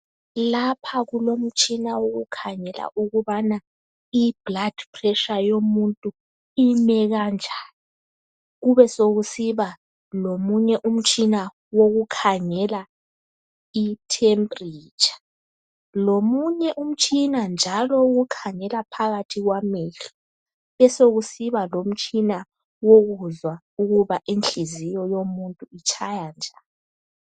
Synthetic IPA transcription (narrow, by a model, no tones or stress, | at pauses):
lapʰaɣulom̩t͡ʃʼinawoɣukʰaŋɛla̰ʔuɣuβana | ib̥lad̥pʰʼrɛʃajomuntʼu | imɛɣand͡ʒʱaːni | ɣuβɛsoɣusiβa | lomuɲɛʔum̩t͡ʃʼʰina | woɣukʰaŋɛla | itʰempʼriːt͡ʃʰʼḁ | lomuɲɛʔum̩t͡ʃʼinand͡ʒʱalɔɣukʰaŋɛlapʰaɣatʰiɣwameɬu | βɛsoɣusiβalom̩t͡ʃʼina | woɣuzwa | uɣuβaʔinɬizijɔjomuntʼuit͡ʃʰajand͡ʒʱaːnɔ